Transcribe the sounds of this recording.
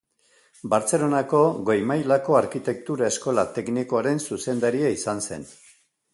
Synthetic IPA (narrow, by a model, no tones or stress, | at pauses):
baɾt͡se̞lo̞nako̞ɣo̞jmajlako̞aɾkit̪e̞k̚t̪uɾae̞sko̞lat̪e̞kniko̞aɾe̞nsuse̞nd̪aɾiaisanse̞̰n